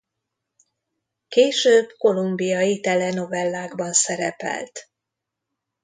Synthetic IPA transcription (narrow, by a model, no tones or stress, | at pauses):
keːʃøːbko̞lumbijɒit̪ɛlɛno̞vɛlːaːɡbɒnsɛɾɛpɛ̰lt̪